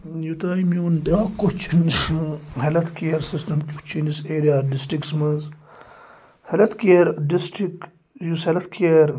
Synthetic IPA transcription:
jut̪aːimiund̪akot͡ʃʰinishɐlɐt̪keɾsisʈɐmkt͡ʃʰiniseːɾijaːɖisʈiksmɐz | hɐlɐt̪keɾɖisʈik | jushɐlɐt̪kʰːɾ

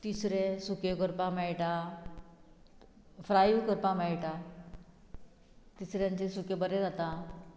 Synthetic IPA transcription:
t̪isɾesukekəɾpãmɛɭʈa | fɾajukəɾpãmɛɭʈa | t̪isɾjãɲt͡ɕesukebəɾed͡zat̪ã

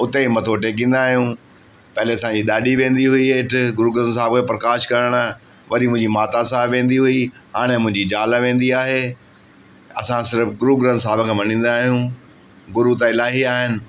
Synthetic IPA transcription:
ʊt̪emɐt̪ʰoʈeːk̬ĩːn̆d̪aːɦijũ | pɐɦɪleɐsãɲd͡ʑiɗaːɗiʋẽːnd̪iɦʊiɪʈʰʊ̆ɡʊɾuːɡɾəns̬aːɪbkʰeːpɾɐkaːʃkɐɾəɽ̃a | ʋɐɾimʊ̃ɦɪ̃ɲd͡ʑimaːt̪asaːɦɪbʋẽːn̆d̪iɦʊiɦaːɽ̃emʊ̃ɦɪ̃ɲd͡ʑid͡ʑaːlaʋẽːn̆d̪iaːɦeː | ɐsãsɪɾəfɡʊɾuːɡɾənsaːbkʰẽːmɐnĩːn̆d̪aːɦijũ | ɡʊɾut̪̬aɪlaːɦiaːɦɪnɪ̆

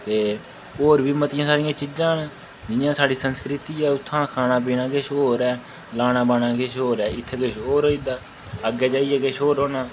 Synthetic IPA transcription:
t̪eː | oːɾʋiːmət̪ɪjãːsaːɾɪjãːt͡ʃɪd͡ʒãːn | d͡ʒɪjãːsaːɽiːsənskɾɪt̪iːɛːʊt̪ʰːãːkʰaːnaːp̬iːnãːɡeːʃoːɾɛː | laːnãːbaːnãːɡeːʃɦoːɾɛːɪt̪ʰːeːɡeːʃoːɾɦoːiːd̪aː | əɡɛːd͡ʒaːiːɛːɡeːʃoːɾoːnãː

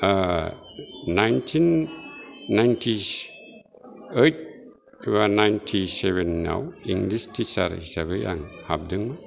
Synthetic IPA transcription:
najntʰinː | ajntʰi | et̚ | wanajntʰiseβenːa̰wiŋɡlistisaɾhisabɯjʔa̰ŋhab̚dɯŋmɯ

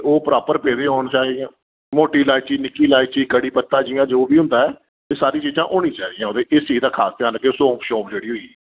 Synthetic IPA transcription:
oːpəɾaːpəɾpeːd̪ẽːɦoːɳt͡ʃaːid̪ijãː | moːʈiːlaːit͡ʃiːnɪkːiːlaːit͡ʃiːkəɽiːpət̪ːãːd͡ʒiːãːd͡ʒoːbiːɦʊ̃nd̪aːɛː | t̪eːsaːɾiːt͡ʃiːzãːʔoːñĩːt͡ʃaːid̪jãːoːd̪eːʔɪst͡ʃiːd̪aːkʰaːst̪ɪãːnləɡeːsõːpʃoːpd͡ʒeːɽiːɦoːiː

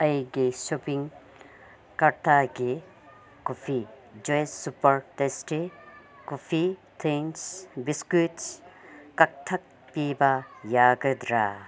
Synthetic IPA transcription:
ɐjɡesopiŋ | kɐɾt̪aɡe | kufi | d͡ʒojssupɐɾtesʈe | kufit̪ʰiŋsbiskut̪skɐk̚t̪ʰɐk̚ | piːbajaːɡɐd̪ɾaː

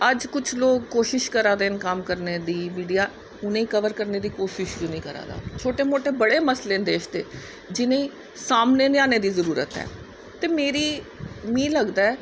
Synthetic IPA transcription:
əd͡ʒkʊt͡ʃʰloːkːoːʃɪʃkəɾaːd̪eːnkəmkəɾneːd̪iːmiːɖijaː | ʊnẽːĩːkəʋəɾkəɾneːd̪iːkoːʃɪʃkonĩːkəɾa̰ːd̪a̰ːt͡ʃʰoːʈeːmoːʈeːbəɽeːməsleːnd̪eːʃd̪ḛː | d͡ʒɪnẽːĩː | saːmneːneãːneːd̪iːzəɾuːɾə̰t̪ɦɛ̰ː | t̪eːmeːɾiː | mĩːləɡd̪aːɛː

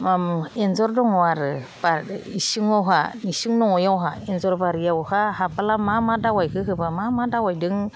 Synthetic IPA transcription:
mamɛnzɔɾdɔŋɔaɾɯbaisɯŋɔɦanisɯŋnɔŋɔjawɦaɛnzɔɾbaɾijaɔhaɦapalamamadawajkɯɦɯbamamadawajdɯŋ

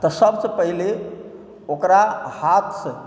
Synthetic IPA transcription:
t̪əsəbsəpəɦile | okɾahat̪ʰsə

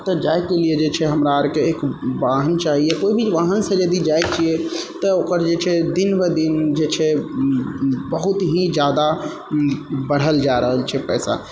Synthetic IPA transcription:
t̪əd͡ʒajkelied͡ʒet͡ʃʰɛɦəmɾaəɾkeekʋaɦənt͡ʃaɦiekoibʱiʋaɦənsə̃d͡ʒəd̪id͡ʒajt͡ʃʰiɛt̪əokəɾd͡ʒet͡ʃʰɛd̪inbed̪ind͡ʒet͡ʃʰɛ | bəɦut̪ɦĩd͡ʒjad̪a | bəɽ̤ɦəld͡ʒaɾəɦəlt͡ʃʰɛpɛːsa̰

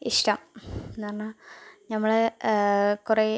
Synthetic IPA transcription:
iʂʈɐmnːʋɐrɐnːanɐmːɐɭ | kure

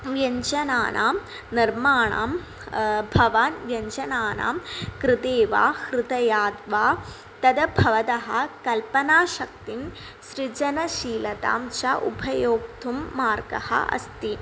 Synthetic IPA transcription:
ʋjɐɲt͡ʃɐnaːnʔa̰ːm | niɾmaːɳa̰ːm | bʱɐʋaːnʋjɐɲt͡ʃɐnaːna̰ːmkɾɪt̪eːʋa̰ːhɾɪt̪ɐjaːd̪ʋaː | t̪ɐd̪ɐbʱɐʋɐt̪ɐɦɐ̆kɐlpɐnaːʃɐk̚t̪in | ʃɾid͡ʒɐnɐʃiːlɐt̪a̰ːmʃɐʔṵbʱɐjoːk̚t̪ʰumːaːɾɡɐ̰hɐ̰ʔɐ̰st̪i

